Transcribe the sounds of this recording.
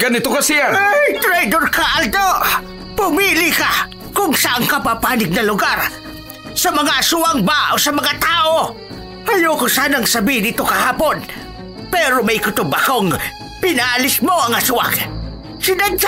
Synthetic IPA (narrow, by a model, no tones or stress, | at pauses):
ɡɐnɪt̪okasiaajt̪ɾajd̪oɾkaʔald̪o | pʊmilɪka | kʊŋsaʔaŋkapapaːnɪɡ̚nɐlʊɡaɾ | samɐŋaʔasuaŋbaʔosamɐŋat̪aːʔo | hajokʊsaːnaŋsabihɪnɪt̪okahaːpon | pɛɾomajkʊt̪ʊbakoŋ | pɪnaʔalɪsmoaŋasua̰ŋ | sɪdaɡ